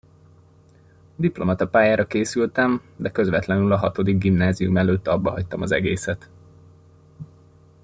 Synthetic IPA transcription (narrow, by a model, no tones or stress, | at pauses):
d̪iplo̞mɒt̪ɒpaːjaːɾɒkeːsylt̪ɛmd̪ɛkø̞zʋɛt̪lɛnylɒɦɒt̪o̞d̪iɡ̚ɡimnaːzijumɛløːt̪ːɒbːɒɦɒct̪ɒmɒzɛ̰ɡeːsɛt̪